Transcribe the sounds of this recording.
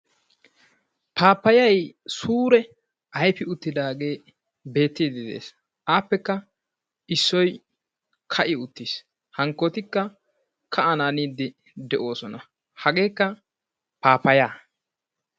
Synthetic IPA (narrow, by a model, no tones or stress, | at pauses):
paːpːɐjɐjsuːɾɛ | ʔɐjfɪʊt̪ːɪd̪aːɡe̞ː | be̞ːt̪ːid̪ɪd̪ḛːs | ʔaːpːɛkːɐ | ɪsːɔj | kʰɐʔɪʊt̪ːis | hɐŋkːoːt̪ɪkːɐ | kʰɐɐnaːniːd̪ːɪ | d̪ɛʔo̞ːsɔnɐ | hɐɡe̞ːkːɐ | paːpːɐjaː